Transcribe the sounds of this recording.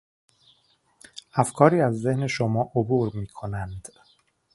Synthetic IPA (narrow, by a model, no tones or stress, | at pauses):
æfkʰɒːɾiːæzːe̞hne̞ʃomɒːʔobuːɾmiːkʰo̞nænd̪̥